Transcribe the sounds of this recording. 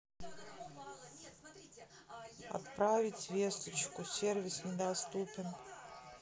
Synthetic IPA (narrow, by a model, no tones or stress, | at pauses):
a̰t̪pɾavʲɪtʲvʲest̪ət͡ɕkʊsʲervʲɪsnʲɪd̪ast̪upʲɪn